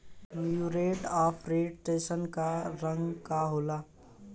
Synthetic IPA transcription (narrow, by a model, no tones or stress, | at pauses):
mjuɾeːʈɔːpʰɾeːʈʈeːsənkaɾə̃ŋɡkaɦoːla